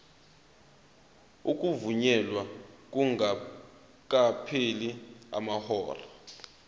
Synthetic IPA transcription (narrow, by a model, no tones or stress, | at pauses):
uk̬ʼuvuɲɛlwak̬ʼuŋa | k̬ʼapʰelia̰mahɔːra